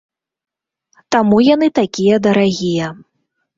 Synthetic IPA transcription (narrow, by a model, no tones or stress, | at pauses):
t̪amujanɨt̪akʲijɐd̪ɐɾaɣʲijɐ